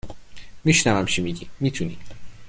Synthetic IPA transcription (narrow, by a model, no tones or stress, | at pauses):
miʃnævæmt͡ʃʰimiɟimit̪ʰunḭ